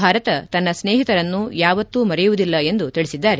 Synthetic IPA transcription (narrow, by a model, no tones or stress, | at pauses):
aːɾɐt̪ɐt̪ɐnːɐsneːɦit̪ɐɾɐnːujaːʋɐt̪ːumɐɾɛjuʋud̪ilːɐe̞nd̪ut̪iɭisid̪ːaːɾe